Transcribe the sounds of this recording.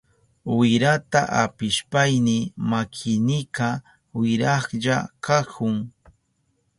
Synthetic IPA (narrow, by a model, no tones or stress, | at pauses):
wɪɾat̪aʔapɪʃpajnɪmakʰɪnɪka | wɪɾɑχʎakakʰʊŋ